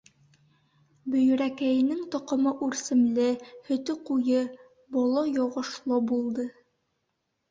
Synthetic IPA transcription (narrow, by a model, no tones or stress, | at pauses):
bɵ̆jɵ̆ɾækæjɘ̆nɘŋt̪ŏqŏmɤʔʉɾsɘ̆mlɘhɵ̆t̪ɵqujɤ | bɒlˠɑjɒʁɤ̆ʃlˠɤbulˠd̪ɤ